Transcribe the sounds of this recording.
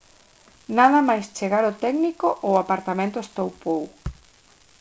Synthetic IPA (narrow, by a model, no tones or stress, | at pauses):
naðɐmajst͡ʃeɣaɾot̪ɛɡnikoʔowapaɾt̪amẽnt̪ʊest̪owpow